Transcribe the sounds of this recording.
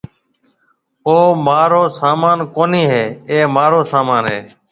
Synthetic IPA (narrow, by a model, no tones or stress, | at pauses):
oːmaːɾoːsaːmaːnkoːniːɦeːeːmaːɾoːsaːmaːnɦeː